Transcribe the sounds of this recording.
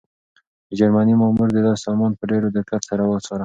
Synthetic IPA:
əd͡ʒaɾmanimɑmuɾd̪əd̪ɑɑmɑnpəɖeɾod̪ɪɾkat̪saɾawəsoɾa

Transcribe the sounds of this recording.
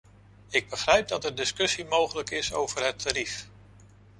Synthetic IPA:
ɪɡ̚bəχrɛjp̚dɑtɛɹdɪskɵsimowχələkɪso̰wvəɹɦətʰːaɾif

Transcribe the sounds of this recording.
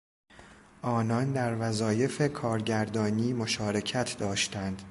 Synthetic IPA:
ʔɒːnɒnd̪æɾvæzɒːje̞fe̞kʰɒːɾɟæɾd̪ɒːniːmo̞ʃɒːɾe̞cʰæt̪ʰd̪ɒːʃt̪ænd̪̥

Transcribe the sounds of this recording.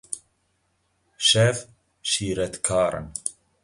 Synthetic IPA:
ʃɛf | ʃiːɾɛt̪kʰaːɾɨ̰n

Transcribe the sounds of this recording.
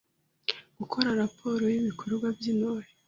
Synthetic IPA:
ɡ̥ukʰoɾaɾapʰo̞ːɾo̞jiβikʰo̞ɾɡwavjinoːje

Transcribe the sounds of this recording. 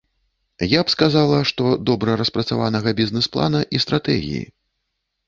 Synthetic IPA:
japskazalˠɐʂt̪ɔd̪ɔbɾɐɾɐspɾɐt̪savanɐɣɐbʲiznɛsplˠa̰nɐʔist̪ɾat̪ɛ̰ɣʲḭjḭ

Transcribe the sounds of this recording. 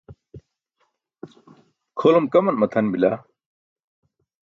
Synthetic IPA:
kʰolomkɐmɐnmɐt̪ʰɐnbila

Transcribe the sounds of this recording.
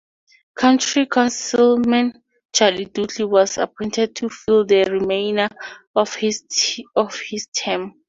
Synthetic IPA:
kʰãntɹikʰɔ̃nsilmɛ̃n | t͡ʃalidutliwɔsa̰pʰɔ̃j̃ntʰɛd̚tʰufildəɹimẽjna | ɔfh | ɔfhistʰɛ̃m

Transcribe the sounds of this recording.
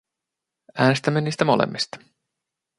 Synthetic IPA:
æːne̞st̪æmːeniːst̪æmolḛmːist̪ɑ̥

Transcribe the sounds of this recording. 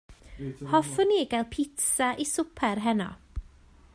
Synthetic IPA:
hɔfɔneːɡalˠpʰɪtsaʔisʊpʰɛɾɦɛnɔ̰

